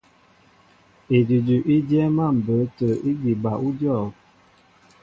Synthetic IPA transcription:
e˨di˨d͡ʒʉ˨ʔi˦d͡ʒɛ˦ma˦˨m̩˨bə˨˦tə˨i˦ɡi˨ba˨ʔu˦djɔ˦˨

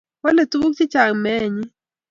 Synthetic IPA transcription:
wa˦le˨tu˦u˦kt͡ʃɪ˦t͡ʃa˨ŋmɛ˦˨ɲi˦

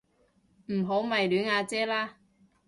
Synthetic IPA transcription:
m̩˨˩ɦo˨˥wmɐ˨˩jlyː˨˥nŋaː˨˧t͡sɛː˥laː˥

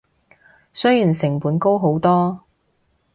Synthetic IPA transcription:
sɵ˥ɥjyː˨˩nsɪ˨˩ŋpuː˨˥nko˥wɦo˨˥wt̪ɔː˥

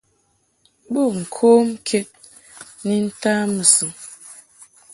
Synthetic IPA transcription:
bu˦˨ŋ̩˨kʰoː˦m˦kʰe˦t̚ | ni˦n̩˦taː˦mɨ˨sɨ˨ŋ

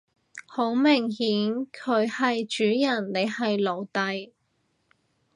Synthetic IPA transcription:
ho˨˥wmɪ˨˩ŋɦiː˨˥nkʰɵ˨˧ɥhɐ˨jt͡ʃyː˨˥jɐ˨˩nːe˨˧jhɐ˨jlo˨˩wt̪ɐ˨j

